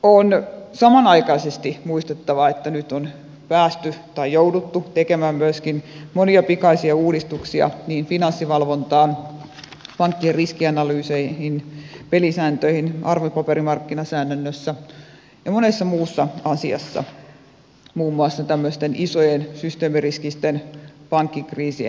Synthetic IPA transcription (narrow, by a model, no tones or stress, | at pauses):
onsɑmɑnɑikɑisest̪imuist̪et̪ːɑʋɑet̪ːænyt̪on | pæːst̪yt̪ɑijjoudut̪ːut̪ekemæːmmyøskinmoniɑpikɑisiɑuːdist̪uksiɑ̰niːnfinɑnsːiʋɑlʋont̪ɑːn | pɑŋkːierriskiɑnɑlyːseihinpelisæːnt̪øihinʔɑrʋopɑpeɾimɑrkːinɑsæːnːønːøsːæ | jɑmonesːɑmuːsːɑɑsiɑ̰sːɑ̰ | muːmːuɑsːɑt̪æmːøst̪enʔisojensyst̪eːmiriskist̪enpɑŋkːikriːsiḛ